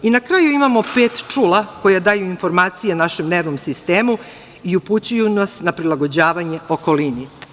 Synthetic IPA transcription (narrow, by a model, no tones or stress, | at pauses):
inakɾaːjuimamope̞ːt̪t͡ʂulako̞jad̪aːjuinfo̞ɾmaːt̪sijenaʃe̞mne̞ːʋnomsist̪e̞ːmu | iuput͡ɕujunasnapɾilˠaɡo̞d͡ʑaːʋaɲe̞o̞ko̞lini